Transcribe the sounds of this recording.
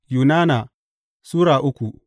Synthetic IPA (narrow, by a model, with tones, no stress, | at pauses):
juː˨naː˦na˨ | suː˦ɽaː˨ʔʊ˦kʷu˨